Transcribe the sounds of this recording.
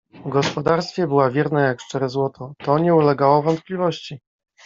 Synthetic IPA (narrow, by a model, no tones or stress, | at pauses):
vɡɔspɔd̪aɾst̪fʲjɛbɘwavʲjɛɾnɛjakʂt͡ʂɛɾɛzwɔt̪ʰɔt̪ɔɲɛulɛɡawɔvɔnt̪̚plʲivɔɕt͡ɕi